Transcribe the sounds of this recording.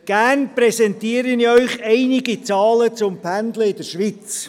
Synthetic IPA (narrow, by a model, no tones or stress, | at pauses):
ɡ̥æːnpɾɛsɛntiːəɾəniœʏχɛɪnɪɡit͡sɑːlət͡sʊmpʰændləɪdəɾʃʋit͡s